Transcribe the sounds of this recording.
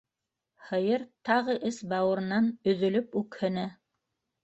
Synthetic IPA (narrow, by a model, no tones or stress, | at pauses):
hɤ̆jɤɾt̪ɑʁɤʔɘsbɑwɤ̆ɾɤ̆nɑnɵ̆ðɵ̆lɵpʉkhɵ̆næ